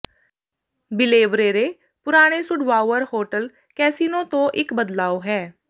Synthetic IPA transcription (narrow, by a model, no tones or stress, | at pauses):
bɪleːʋɾeːɾeː | pʊɾaːɽ̃eːsʊɖʋaːʋəɾhoːʈəl | kɛːsiːnõːt̪õːʔɪkbəd̪laːoːɦɛː